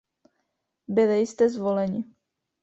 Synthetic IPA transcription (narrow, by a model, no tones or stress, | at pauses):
bɪlɪjɪst̪ɛzvolɛɲɪ